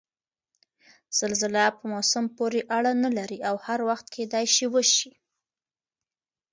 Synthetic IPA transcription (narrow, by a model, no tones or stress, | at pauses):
z̥alzɪlapəmosampoɾeʔaɽanalaɾiawhaɾwaxt̪̚kʰed̪ɑjʃiwəʃi